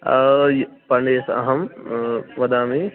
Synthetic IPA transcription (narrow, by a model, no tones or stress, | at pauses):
pɐɳɖeːsɐ̰ɦɐm | ʋɐd̪aːmi